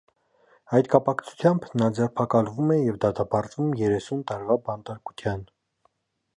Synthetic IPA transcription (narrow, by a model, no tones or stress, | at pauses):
ɑjt̪kɑpɑkt͡sʰu̥t̪ʰjɑmbnɑd͡zɛrpʰɑkɑlvumɛjɛvd̪ɑt̪ɑpɑɾt͡svumjɛɾɛsunt̪ɑɾvɑbɑnt̪ɑɾku̥t̪ʰjɑn